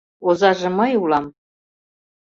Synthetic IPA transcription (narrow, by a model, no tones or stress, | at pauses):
ozɑʒĕmɤjulɑm